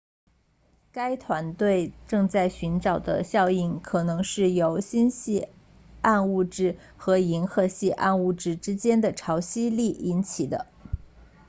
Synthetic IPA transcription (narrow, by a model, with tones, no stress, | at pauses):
ka˥ɪt̪ʰwa˧˥nt̪we˥˩ɪʈ͡ʂɤ˥˧ŋt͡sa˥˩ɪɕy˧˥nʈ͡ʂɑ˨˩ʊd̪ə̰˦ɕjɑ˥˧ʊi˥˩nkʰɤ˨˩nɤ˧˥ŋʂɻ̩˥˩jo˧˥ʊɕi˥nɕi˥˧ | a˥˧nu˥˧ʈ͡ʂɻ̩˥˩ | xɤ˧˥i˧˥nxɤ˧˥ɕi˥˧ʔa̰˥˧nu˥˩ʈ͡ʂɻ̩˥˩ʈ͡ʂɻ̩˥t͡ɕjɛ˥nd̪ə˨ʈ͡ʂʰɑ˧˥ʊɕi˥li˥˩i˧˥nt͡ɕʰi˨˩d̪ə̰˦